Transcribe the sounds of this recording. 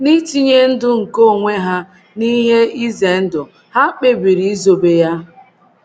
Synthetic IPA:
ni˦ti˦ɲe˦n̩˦dʊ˦ŋ̩˨ko˦˨ŋʷe˦ɦa˦ | ni˦ɦe˦i˦ze˨n̩˦dʊ˨ | ha˦k͡pe˦bi˨ɾi˨i˦zo˨be˦ja˦

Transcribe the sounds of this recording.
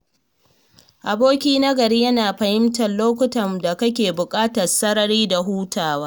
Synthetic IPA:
ʔa˨boː˦kʲiː˦na˦ɡɐ˨ɾiː˦jɐ˦naː˨ɸɐ˨hɪ˦mtɐ˨nloː˦kʷʊ˦tɐ˨mda˨kɐ˦kʲeː˨bʊ˨kʼaː˦tɐ˨rsɐ˦ɾɐ˨ɾiː˦da˨ɦuː˦taː˨waː˦

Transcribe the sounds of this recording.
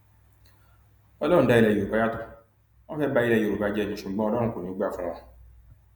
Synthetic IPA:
ɔ˧lɔ̃˦ũ˧˦da˧˦i˧lɛ˧˨o˨ɾo˨ba˨˧˦a˦tu̥˧ | ɔ̃˦fɛ˦ba˧˦i˧lɛ˧˨jo˨ɾo˨ba˨˧˦d͡ʒɛ˦˨ɲĩ˨˦ʃu˨ɡ͡bɔ̃˦˧lɔ˦ɾ̃ũ˦ko˨nĩ˦o˦ɡ͡ba˦˨fũ˦w̃ɔ̃˧

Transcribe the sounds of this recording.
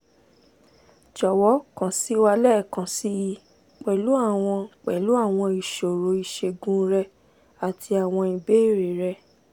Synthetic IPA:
d͡ʒɔ˨wɔ˨˦kã˨si˦wa˧lɛ˦˨kã˨si˨˦ji˧ | k͡pɛ˨lu˨˦a˦˨w̃ɔ̃˧k͡pɛ˨lu˨˦a˦˨w̃ɔ̃˧i˨ʃo˨ɾo˨˦i˨ʃe˧ɡũ˦ɾɛ˧ | a˨tʰi˧a˨w̃ɔ̃˧i˧be˨˦e˦˨ɾe˨˦ɾɛ˧

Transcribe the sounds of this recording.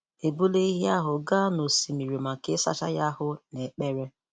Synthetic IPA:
e˨bu˦le˦i˦ɦja˦ɦʊ˨ɡa˦no˨si˨mi˨ɾi˨ma˨ke˦sa̰˦t͡ʃa̰˦ja˦hʊ˦ne˨k͡pe˦ɾe˦

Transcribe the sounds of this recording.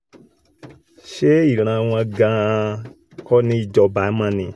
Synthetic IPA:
ʃe˦i˦˨ɾ̃ã˨˧w̃ɔ̃˧a˧ɡã˧ | kɔ˦nĩ˦i˦˨d͡ʒɔ˧ba˨˦mã˧nĩ˨

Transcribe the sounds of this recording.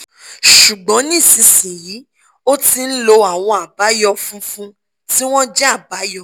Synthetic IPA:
ʃu˨ɡ͡bɔ̃˨˦nĩ˦˨sĩ˧sĩ˨ji˨˦ | o˦ti˧n̩˦lo˧a˨w̃ɔ̃˧a˨ba˨˦jɔ˧fũ˦fũ˦ | ti˦w̃ɔ̃˦d͡ʒɛ˦a˦˨ba˨˦jɔ˦˧

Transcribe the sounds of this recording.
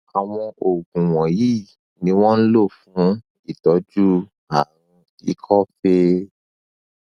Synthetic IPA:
a˨w̃ɔ̃˧ʔo˨ɡũ˨w̃ɔ̃˨ji˦˨ | nĩ˧˦w̃ɔ̃˦n̩˦lo˦˨fũ˨˦ | i˦˨tɔ˨˦d͡ʒu˦ | a˨ɾ̃ũ˧ | i˦kʰɔ˦fe˦

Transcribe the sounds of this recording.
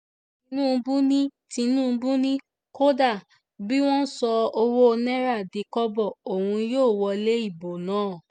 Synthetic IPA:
ĩ˧˦nũː˦˨˧bũ˦nĩ˦tĩ˧nũː˦˨˧bũ˦nĩ˦ | ko˦da˦˨ | bi˦w̃ɔ̃˦n̩˦sɔ˧o˧wo˦˧nɛ˦ɾa˦˨di˨˦kɔ˦bɔ˦˨o˨hũ˧joː˦˨wɔ˧le˦i˦˨bo˨nãː˨˦˨

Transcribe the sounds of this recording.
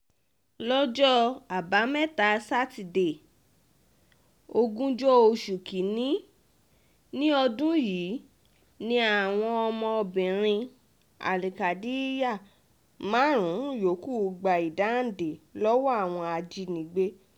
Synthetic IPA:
lɔ˦d͡ʒɔ˦a˨ba˨˦mɛ̃˦˨ta˨˦sa˦ti˨de˨ | o˧ɡũ˦d͡ʒɔ˦o˧ʃu˨ki˨˦nĩ˦ | nĩ˦ɔ˧dũ˦jiː˨˦ | nĩ˦a˨w̃ɔ̃˧ɔ˧mɔ̃˧ɔ˧bĩ˨ɾ̃ĩ˧ | a̰˨li˨ka˨di˨˦ja˦˨ | mãː˨˦ɾ̃ũ˨˦jo˨˦ku˦˨˧ɡ͡ba˨i˨da˨˦˨de˨lɔ˦wɔ˦a˦˨w̃ɔ̃˧a˧d͡ʒi˧nĩ˨ɡ͡be˧˦

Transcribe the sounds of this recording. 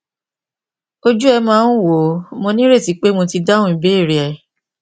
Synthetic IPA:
o˦d͡ʒu˦ɛ˧mãː˦n̩˦wo˨mõ˧nĩ˦ɾe˦˨ti˨˦k͡pe˦mo˧ti˧dã˦ũ˦ĩ˨be˨˦i˦˨ɾi˨ɛ˨

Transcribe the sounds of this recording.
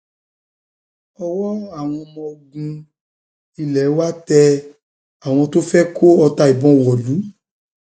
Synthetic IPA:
ɔ˧wɔ˦a˦˨w̃ɔ̃˧mɔ̃˧ɡũ˧ | i˧lɛ˨˦wa˦tɛ˧ | a˨w̃ɔ̃˧to˦fɛ˦kʰo˦ɔ˧ta˧i˨bɔ̃˧˦wɔ˨lu˨˦

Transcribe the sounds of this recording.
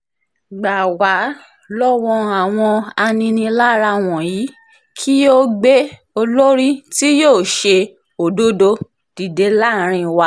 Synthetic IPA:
ɡ͡ba˨wa˨˦ | lɔ˦wɔ̃˧a˨w̃ɔ̃˧a˧nĩ˧nĩ˧la˦ɾa˧w̃ɔ̃˨jiː˨˦ | kʰi˦o˦ɡ͡be˦ | o˧lo˦ɾi˦ti˦joː˦˨ʃe˧ | o˨do˦do˧ | d̥i˨de˨˦la˦˨ɾ̃ĩ˧wa˧

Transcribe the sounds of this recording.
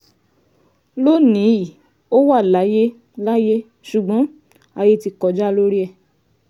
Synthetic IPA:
lo˦nĩ˨˦i˦˨ | o˦wa˦˨la˨˦je˦ | la˦je˦ | ʃu˨ɡ͡bɔ̃˨˦ | a˧je˧ti˧kɔ˧˦d͡ʒa˦lo˦ɾi˦ɛ˦˨

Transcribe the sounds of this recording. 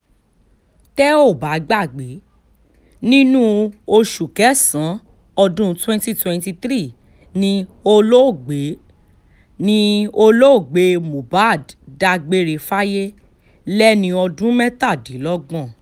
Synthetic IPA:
tɛ˦o˦˨ba˨˦ɡ͡ba˦˨ɡ͡be˨˦ | nĩ˦nũ˦o˧ʃu˨kɛ˨˦sã˨˦ | ɔ˧dũ˦twɛ̃˦nti˦twɛ̃˧nti˧t̪ɾi˦˨ | nĩ˧o˧lo˦o˦˨ɡ͡be˨˦ | nĩ˧˦o˧lo˦o˦˨ɡ͡be˨˧mũ˨ba˦˨dda˧ɡ͡be˧ɾe˧fa˦je˦ | lɛ˦nĩ˧ɔ˧dũ˦mɛ˦ta˦˨dĩ˨˦lɔ˦ɡ͡bɔ̃˦˨

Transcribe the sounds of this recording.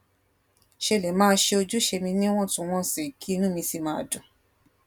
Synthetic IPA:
ʃe˧le˨˦mãː˦ʃe˧o˧d͡ʒu˦ʃe˧mĩ˧nĩ˦w̃ɔ̃˦˨tũ˧˨w̃ɔ̃˦si˨kʰi˦˧nũ˦mĩ˧si˦˨mã˧˦a˨dũ˨

